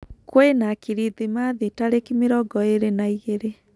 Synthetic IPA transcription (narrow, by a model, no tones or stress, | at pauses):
kwenakiɾiðimaðitaɾekimeɾɔɡɔeɾenaiɣeɾe